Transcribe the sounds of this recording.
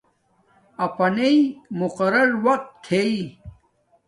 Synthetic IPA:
ɐpɐneimʊqɐɾɐɾwɐq̚t̪t̪ʰei

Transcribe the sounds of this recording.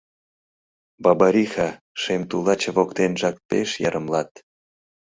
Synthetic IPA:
bɑbɑɾʲixɑ | ʃemt̪ulɑt͡ɕeβokt̪enʒɑk̚peʃjɑɾəmlɑt̪

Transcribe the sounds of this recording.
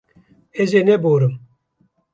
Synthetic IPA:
ezeneboɾɨm

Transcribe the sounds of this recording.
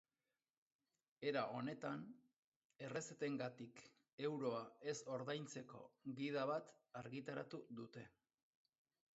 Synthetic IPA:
e̞ɾaʔo̞ne̞t̪an | e̞re̞set̪e̞ŋɡat̪ik | e̞wɾo̞ae̞so̞ɾðajnt͡se̞ko̞̰ɣið̞aβ̞at̪ | aɾɣit̪aɾat̪uðut̪e̞

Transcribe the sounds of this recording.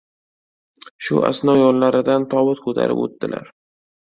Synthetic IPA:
ʃʊ̰ʔa̰snɒjɒllaɾɪd̪ant̪ʰɒwʊt̪kʰot̪ʰa̰ɾʔɪ̰po̰t̪ːɪla̰ɾ

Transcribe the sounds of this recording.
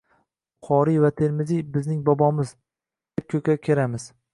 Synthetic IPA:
qʰɒɾivat̪ʰeɾmɪzibɪznɪŋbɒbɒmɪz | d̪̥ep̚kʲʰɵkʲakʲʰe̞ɾamɪz̥

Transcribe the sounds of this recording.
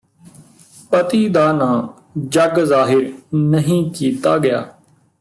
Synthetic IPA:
pət̪iːd̪aːnãː | d͡ʒəɡzaːɦɪɾnəɦĩːkiːt̪aːɡɪja̰ː

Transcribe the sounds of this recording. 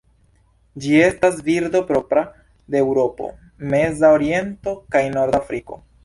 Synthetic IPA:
d͡ʒie̞stasviɾdo̞pɾo̞pɾa | deːwɾo̞po̞̰ | me̞zaoɾie̞nto̞kajno̞ɾdafɾiko̞̰

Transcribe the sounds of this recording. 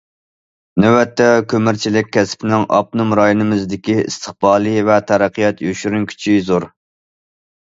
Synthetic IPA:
nɛwɛt̪ʰːɛkʲʰømɪɾt͡ʃʰilɪk̚ʲʰːɛspʰɪnɪŋʔɑ̰p̚numɾɑjinɨmɨzd̪ɪkʲiḭst̪ʰəχbɑːlˠivɛt̪ʰæɾæqʰːijɑt̪joʃyɾynkʲʰy̥t͡ʃʰizoɾ

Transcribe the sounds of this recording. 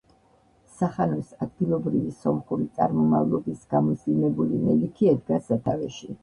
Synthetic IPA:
saχanɔsad̪̚ɡilˠɔbɾivisɔmχuɾit̪sʼa̰ɾmɔmavlˠɔbisɡ̥amɔsimɛbulimɛlikʰiɛd̪ɡasat̪ʰavɛʃi

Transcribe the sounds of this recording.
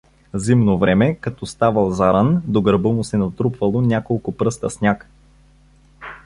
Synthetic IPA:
zimnovɾɛmɛkɐt̪ɔst̪avəlˠzaɾand̪oɡɾbɤmʊsɛnɐt̪ɾupvɐlˠonʲakolˠkʊpɾɤst̪əsnʲak

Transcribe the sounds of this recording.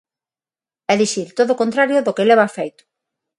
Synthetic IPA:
ɛðiʃiɾt̪oðokont̪ɾaɾjʊðokelɛβ̞afejt̪ʊ̥

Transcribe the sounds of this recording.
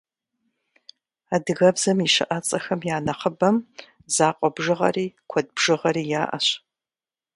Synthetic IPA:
aːdɨɣɐbzɐmiʃɨ̰ʔɐt͡sʼɐxɐmjaːnɐχəbɐm | zaːqʷʼɔbʒɨʁɐ̰riːkʷʰɔd̚bʒ̥ɨʁɐɾiːjaːʔɐ̰ɕ

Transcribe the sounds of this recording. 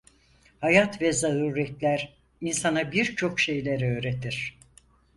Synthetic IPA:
hajat̪vɛzaɾuːɾɛt̪lʲæɾ | insanabiɾt͡ʃʰo̞kʃe̞jlʲeɾø̞ːɾet̪ʰiɾ̥

